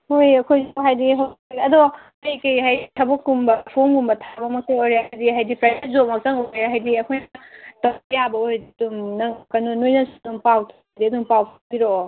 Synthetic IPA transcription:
hojɐkʰojzɦajdiɦaiɐdɔ | kajkɐjɦajtʰɐbɐkːumbɐpʰomɡumbɐtʰabɐmɐk̚saŋojɾiaajdiɦajdipɾazes̚zomɐk̚t͡ʃɐŋoɾeaɦajdiɐkʰojnɐtajabɐoɾadidumnɐŋkɐnunojnɐŋsdumpawtʰ | diɐdumpawkʰbiɾo

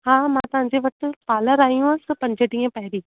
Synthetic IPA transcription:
ɦãːmãt̪ɐɦãːɲd͡ʑeʋɐʈ̆paːləɾaːijũɐsɪ̆pɐ̃ɲd͡ʑəʈĩːẽpɐɦɪɾiː

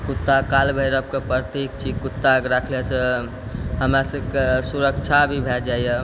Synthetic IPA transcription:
kut̪ːakalbʱəjɾəb̚kepəɾt̪ikt͡ʃʰikut̪ːakɾakʰlesə | ɦəmɾasəbkesuɾəkt͡ʃʰabʱibʱɛd͡ʒaijə

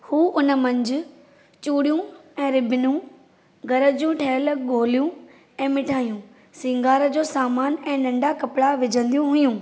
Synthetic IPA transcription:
huːʊnə̆mɐ̃ɲd͡ʑʊ̆ | t͡ɕuːɽijũɛ̃ːɾɪbɪnũ | ɡɐɾəd͡ʑũʈʰɐəlɡoːlijũ | ɛ̃ːmɪʈʰaːijũ | sɪ̃ŋɡaːɾəd͡ʑoːsaːmaːnɛ̃ːnɐ̃ɳɖakɐpɪɽaʋɪd͡ʑʱə̃nd̪ijũɦʊjũː

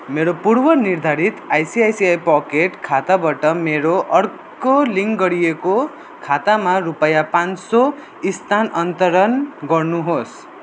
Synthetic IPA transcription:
meɾopuɾbʌnird̪ʱaɾit̪ajsiajsiajpɔkeʈkʰat̪abaʈʌmeɾoʔʌr | koliŋɡɡʌɾijeko | kʰat̪amaɾupʌjapanso | ist̪ʰanʌnt̪ʌɾʌnɡʌrnuɦos

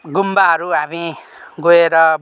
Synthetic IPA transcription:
ɡumbaɦʌɾuɦami | ɡoeɾʌ

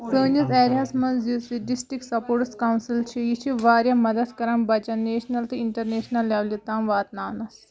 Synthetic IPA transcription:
səːnɐt̪ɛːɾjaːsmɐnzisiɖisʈɾiksɐpoːɾʈskaːwnsilt͡ʃʰijit͡ʃʰiʋaːɾjɐmɐd̪ɐd̪kɐɾɐmbɐt͡ʃɐneːʃnɐlt̪ɨiɳʈɐɾneːʃnɐlːaːʋlit̪aːmʋaːt̪naːnɐs

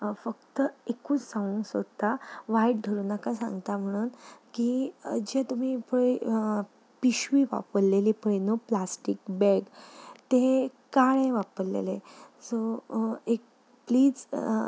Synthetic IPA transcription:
fək̚t̪əekũːt͡ssãũŋsə̰d̪t̪ːaʋaiʈ̚ɖʱəɾuːnakãsã̰ŋɡt̪am̤əɽ̃uːnkiːəd͡ʑet̪um̤iːpəɭe | piɕʋiʋa̰pəɾleliːpəɭenoplasʈikbɛɡt̪ekaɭẽʋapəɾlḛlesoek̚ | pliːd͡z

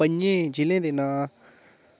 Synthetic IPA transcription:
əɲẽːd͡ʒɪlẽːd̪eːnaː

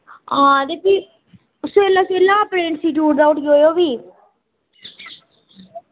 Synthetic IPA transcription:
ãːd̪eːpiː | ʊsoelːaːselːãːpɾẽːɳʈsiːʈjuːʈd̪aːʊʈɡoːjoːʋiː

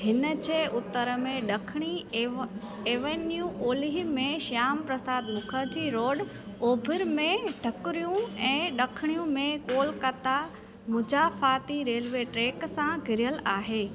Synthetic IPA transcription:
ɦɪnə̆d͡ʑeːʔʊt̪əɾə̆mẽɗɐkʰɪɽ̃i | eːʋenjuʔoːliɦimẽʃaːmpɾɐsaːd̪mʊkʰəɾd͡ʑiːɾoːɖ | oːbʱɪɾmẽɖʱɐkʊɾijũɛ̃ːɗɐkʰɪɽ̃ijũmẽkoːlkɐt̪a | mʊ̃d͡ʑaːfaːt̪iɾeːlʋeʈɾeːksãɡʱɪɾijəlaːɦeː

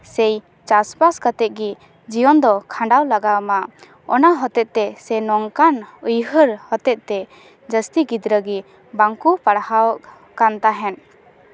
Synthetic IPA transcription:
sɛj | t͡ʃaspaskat̪ɛt̪̚ɡi | d͡ʒijɔnd̪ɔkʰãɳɖawlaɡama | ɔnaɦɔt̪ɛt̪̚ˀt̪ɛsɛnɔŋkanujɦəɾhɔt̪ɛt̪̚t̪ɛ | d͡ʒəst̪iɡid̪ɾəɡi | baŋkupaɽhawʔ | kant̪aɦɛn

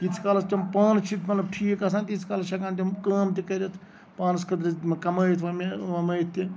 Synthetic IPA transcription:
it͡sʰkaːlɐst̪ʲɐmpaːnt͡ʃʰit̪ʰmɐt̪lɐb̚ʈʰiːkasʰaːnt̪it͡sʰkaːlt͡ʃʰɐkaːnt̪̬ʲɐmkaːmt̪ikɐɾʲɐt̪ʰ | paːnskɐd̪ɾikɐməːjt̪ʰʋɐmeʋɐmɐːjt̪ʰːi

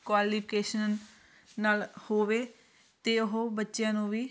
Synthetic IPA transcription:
kwaːliːpʰɪkeːʃənː | aːlhoːʋeː | t̪eːʊɦobətːʃjãːnũːʋiː

